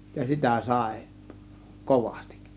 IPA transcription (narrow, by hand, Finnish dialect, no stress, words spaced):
jɑ sitæˑ sɑˑe̝ koʋɑ̥sti̥k